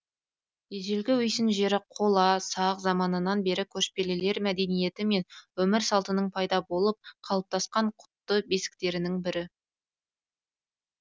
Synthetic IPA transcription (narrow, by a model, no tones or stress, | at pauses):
eʒelɡʲɪwʏjsɪnʒe̞ɾɪqʰo̞lˠɑsɑqzɑmɑnənɑnbe̞ɾɪkʲʰɵʃpe̞lele̞ɾmæd̪e̞nije̞t̪ɪme̞nwɵmɪɾsɑlˠt̪ənəɴpʰɑjd̪ɑbo̞lˠəp̚qʰɑlˠəp̚t̪ʰɑsqɑɴqʰʊ̥t̪ːəbe̞sɪ̥k̚t̪e̞ɾɪnɪŋbɪɾɪ